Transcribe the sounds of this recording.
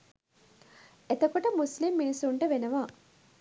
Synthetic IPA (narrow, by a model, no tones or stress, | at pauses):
et̪əkoʈəmuslimːinisuɳʈəʋenəʋa